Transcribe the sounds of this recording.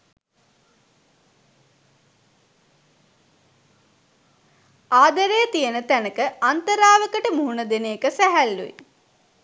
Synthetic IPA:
aːd̪əɾejət̪ijənət̪ænəkəant̪əɾaːʋəkəʈəmuɦunəd̪enejːkəsæɦælːṵḭ

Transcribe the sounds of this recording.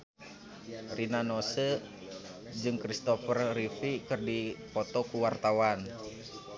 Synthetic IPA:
rinanɔsə | d͡ʒɨŋkɾist̪ɔfərrifikɨrdipɔt̪ɔkuwart̪awan

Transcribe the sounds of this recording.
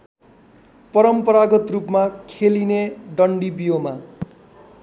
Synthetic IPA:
pʌɾʌmpʌɾaɡʌt̪rupmakʰelineɖʌɳɖibijoma

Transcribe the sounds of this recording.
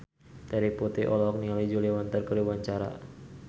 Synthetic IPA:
t̪ɛɾiput̪iʔɔlɔk̚nialid͡ʒuliwant̪ərkəɾiwaɲt͡ʃaɾa̰

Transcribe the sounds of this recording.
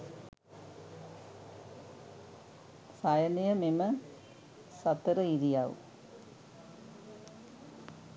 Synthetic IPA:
sajɐnɐjɐmemɐ | sɐt̪ːɐɾɐiɾijaːʋṵ

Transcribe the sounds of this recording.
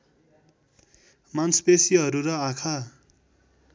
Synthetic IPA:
mansbesiɦʌɾuɾʌakʰa

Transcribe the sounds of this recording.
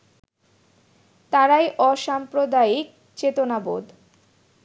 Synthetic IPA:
t̪aɾajʔɔʃampɾod̪aik̚ | t͡ɕet̪onabo̰d̪

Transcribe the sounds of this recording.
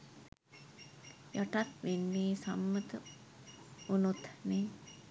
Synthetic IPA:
joʈat̪ʋenːiːsa̰mːət̪ə | unut̪ne

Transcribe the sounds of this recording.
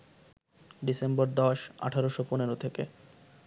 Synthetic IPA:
ɖisemboɾd̪ɔʃa̰ʈʰaɾoʃoponeɾot̪ʰekḛ

